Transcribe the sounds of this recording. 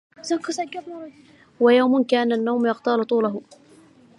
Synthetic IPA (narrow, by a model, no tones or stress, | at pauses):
zakɑsaɡabnˤ | wajawmʊnkaːnanːawmjɑqt̪aːlʊt̪ˤuːlaɦʊ